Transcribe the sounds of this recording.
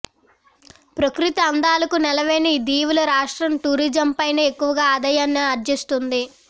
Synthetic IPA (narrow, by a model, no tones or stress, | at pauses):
pɾɐkɾit̪ɐːnd̪aːlɐkunɛlɐʋeːnid̪iːʋulɐɾaːʂʈɾɐmʈuːɾiːd͡ʒɐmpɐjnɐekːuʋɐɡaːd̪ɐjaːnːɐɐɾd͡ʒ̪jɐst̪und̪i